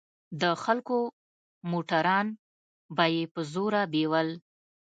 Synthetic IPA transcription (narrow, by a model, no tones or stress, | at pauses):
d̪əxalko | moʈaɾɑn | bajepəzoɾabewəl